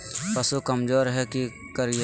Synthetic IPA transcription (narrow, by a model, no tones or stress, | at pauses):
pɐsukɐmd͡ʒoːɾɦɛki | kɐɾi